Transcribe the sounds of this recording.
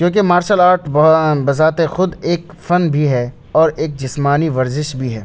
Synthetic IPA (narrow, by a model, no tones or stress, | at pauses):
kjõːk̬emaːɾʃəlaːɾʈbɐzaːt̪exʊd̪eːk | fɐnbʱiɦɛ | ɔːɾeːk̚d͡ʒɪsmaːniʋɐɾzɪʃbʱiɦɛː